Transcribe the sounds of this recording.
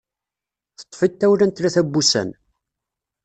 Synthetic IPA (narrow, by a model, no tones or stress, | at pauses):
θə̥t̪ˤːfit̪ːæwlænt̪læθæbːusæ̰n